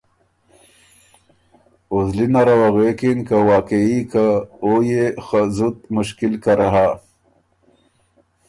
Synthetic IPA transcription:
uzlinaɾawaɣekinkawaːkeikaojexazut̪̚mʊʃkilkaɾaɦa

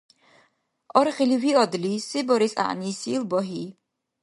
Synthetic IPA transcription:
ɔɾiχiliviɔd̪lisibɔɾisa̰ʔniːsilbɔɦiː

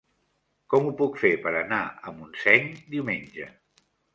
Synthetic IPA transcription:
kɔmupukfepəɾənaəmunsɛɲd̪iwmenʲʒə̰

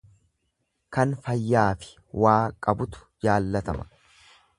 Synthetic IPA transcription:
kɐnfɐjːaːfɪ̥ | waːkʼɐbʊt̪ʊ̥d͡ʒaːlːɐt̪ɐmɐ̥

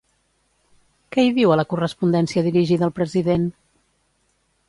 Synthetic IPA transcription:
kɛiðiwələkurəspund̪ɛnsiəðiɾiʒiðəːlˠpɾəziðen

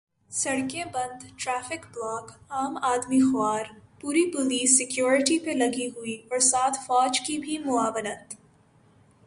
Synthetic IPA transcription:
sɐɽkẽbɐ̃nd̪ʈɾɛːfɪkblaːkaːmaːd̪mixʊaːɾpuːɾipʊliːsːɪkjoːɾɪʈipelɐɡiɦʊiɔːɾsaːt̪ʰfɔːd͡ʒkibʱimʊaːʋnət̪

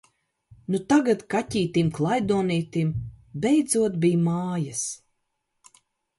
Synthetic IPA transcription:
nut̪aɡat̪katʲiːt̪imklˠajd̪uɔniːt̪imbɛjd̪zuɔt̪bijmaːjas

